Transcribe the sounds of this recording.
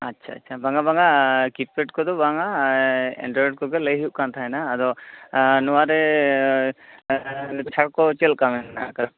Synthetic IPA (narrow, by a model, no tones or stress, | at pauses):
atːt͡ʃʰaːtːt͡ʃʰabaŋɡabaŋakip̚keʈkɔd̪ɔbaŋa | ɛ̰ɳɖɾɔɾɖ̚kɔɡɛləjɦiuʔ̚kant̪ʰaɛnaːd̪ɔ | nɔwaɾɛ | nɛt̪ɛt͡ʃʰaɽkɔt͡ʃelkamɛna̰kaɾa